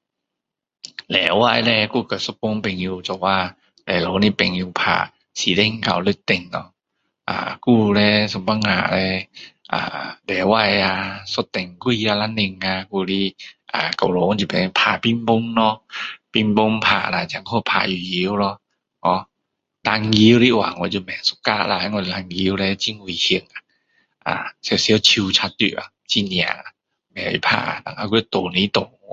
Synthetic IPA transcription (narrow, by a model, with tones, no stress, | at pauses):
lɛː˨˦wa˧˨jlɛ˧kuː˧˩ka˨˩so˧˦po˧˦ŋpe˨ŋjuː˧t͡ɕɔ˨˩waː˧˩ | lɛ˨˩lo˨˦niː˧˥˨pe˨ŋjuː˧˩pʰa̰ː˧˩ | siː˨˦de˧˨ŋka̰˧˨˩wlɯ˧˦t̪e˧˨˩nːɔ˧ | ʔa̰ː˨˧˩kuː˧˩lɛː˧so˧˦mba˧˨ŋːa̰ː˧˩lɛː˧ʔa̰ː˨˧˩dɛː˨˦wa˧˩˨jaː˧˩so˧˦t̪ːe˨˩ŋku˧˨ji˧a˧la˧˥˨nːe˧˨ŋːaː˧kuː˧˩li˧˥˩ʔaː˨ka˨˩lo˨˧˦t͡ɕi˧pa˨˧pʰaː˧˩pi˧˨mbo˧ŋnɔ˧pi˧˩mbo˧ŋpʰa̰ː˧˩ʔlaː˧˨t͡ɕa˨˧˦ŋkʰɔ˧˨pʰa̰ː˧˩ju˧˨ji˧˦wlɔ˧ | ʔɔ˧˦ | la˧ŋɡi˧˦wɾi˧˥wa̰ː˨˩˦ŋɔ˧˦t͡ɕu˧mɛ˨su̥˧kaː˧˩ʔla˧˩˧ŋɔ˧li˧la˧˩ŋɡi˧˦wlɛ˧t͡ɕi˧˨ŋwu˧˩hi˧əŋʔa˧˩ | ʔa̰ː˨sɛ˧˨si˧˦ə˧t͡ɕʰi˧wt͡ɕʰa˧˦˥t̪̚jṵ˧˩ʔa̰˧˩t͡ɕi˧˨ni˧a̰˧˨a˧˩ | mɛ˨˩wḭ˧˦pʰa̰ː˧˩ʔa̰˧na̰˧˨ŋʔa˧ku˧˦t̪o˨ni˧˦˨t̪o˨˩ŋ˧